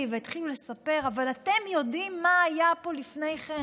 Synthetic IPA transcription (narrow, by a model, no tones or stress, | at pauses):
veit̪χilule̞sape̞ʁavalate̞mjo̞dimːaːjapo̞lifne̞jχe